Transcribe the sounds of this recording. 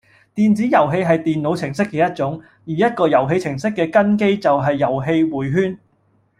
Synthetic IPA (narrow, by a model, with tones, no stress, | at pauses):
t̪iː˨nt͡siː˨˥jɐ˨˩wɦe˧jɦɐ˨jt̪iː˨nlo˨˧wt͡sʰɪ˨˩ŋsɪ˥kːɛː˧jɐ˥t̚t͡ʃʊ˨˥ŋ | jiː˨˩jɐ˥t̚kɔː˧jɐ˨˩wɦe˧jt͡sʰɪ˨˩ŋsɪ˥kːɛː˧kɐ˥nke˥jt͡sɐ˨wɦɐ˨jːɐ˨˩wɦe˧jwuː˨˩jɦyː˥n